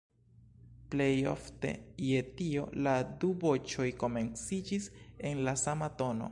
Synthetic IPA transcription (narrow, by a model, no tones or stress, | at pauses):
ple̞jo̞̰fte̞̰je̞tio̞̰ladubo̞t͡ʃo̞jko̞me̞nt͡sid͡ʒise̞nlasamato̞no̞̰